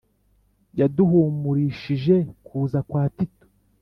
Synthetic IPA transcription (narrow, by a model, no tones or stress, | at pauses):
jaduɦumuɾiʃiʒe̞kʰuːzakwaːtito̥